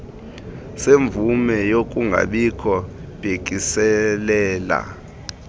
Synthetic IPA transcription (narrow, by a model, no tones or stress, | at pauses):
seɱb̪vumɛjok̬ʼuŋɡʱa̰ɓikʰɔ | b̥ʱek̬ʼisɛlɛːla̰